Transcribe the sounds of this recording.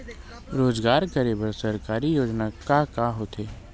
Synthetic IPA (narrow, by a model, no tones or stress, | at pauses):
ɾoːzɡaːɾkɐɾebəɾsɐɾkaːɾijoːd͡ʒnakaːkaɦot̪ʰeː